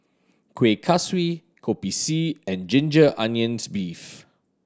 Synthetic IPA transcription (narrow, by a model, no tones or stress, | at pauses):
kʰwekʰaswi | kʰopisiɛ̃nd͡ʒɪ̃nd͡ʒəʔãnjə̃nsbif